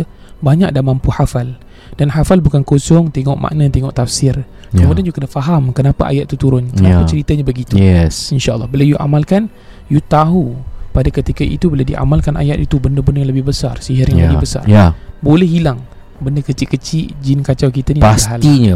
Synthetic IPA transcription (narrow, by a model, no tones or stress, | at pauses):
baɲak̚damãmpuħafal | d̥anɦafalbukankosɔŋt̪eŋɔʔmʔa̰ʔnãt̪eŋɔʔt̪afsɪr | kəmudianjuɡkənəfaɦamkənapaʔa̰jat̪̚t̪ːut̪uɾʊnkənaapat͡ʃəɾit̪aɲãbəɡit̪uɛsinʃaʔlːɑhbəlawjuʔa̰malkan | jut̪aɦupadakət̪ikaʔḭt̪ubəladiʔa̰malkanʔa̰jat̪it̪ubəndəbəndəjaŋləbɪhbəsarsiɦarjãŋəbɪbəsa̰rabolɛhilaŋ | bəndəkət͡ʃɪʔkət͡ʃiʔd͡ʒinkat͡ʃawkit̪aniasɦalt̪iɲa